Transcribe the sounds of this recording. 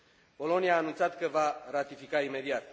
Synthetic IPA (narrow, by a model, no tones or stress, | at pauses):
po̞lo̞niaːnunt̪sat̪kəvaɾat̪ifikaime̞d̪iat̪